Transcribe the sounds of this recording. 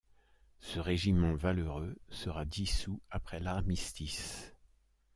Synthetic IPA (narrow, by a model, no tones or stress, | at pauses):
səʁeʒimɑ̃valøʁøsəʁad̪isuapχɛlaʁmist̪is